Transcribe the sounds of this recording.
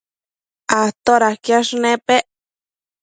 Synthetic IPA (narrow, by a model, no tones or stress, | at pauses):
at̪oɾahkjaʂnẽpeʔ